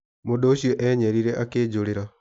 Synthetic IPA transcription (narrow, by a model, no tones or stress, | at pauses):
modoːɕjoʔɛɲɛɾiɾɛʔakeːd͡ʑoɾeɾa